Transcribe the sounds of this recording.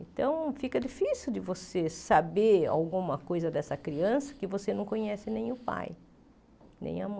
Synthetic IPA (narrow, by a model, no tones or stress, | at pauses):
ẽt̪ɐ̃w̃fikɐd͡ʒifisiwd̪ɪvosesabea̰wɡũmɐkojzɐd̪ɛsɐkɾiɐ̃sɐ̥kɪvosenɐ̃w̃kõɲɛsɪnẽj̃ʊpa̰j | nḛ̃j̃ɐ̰mɐ̃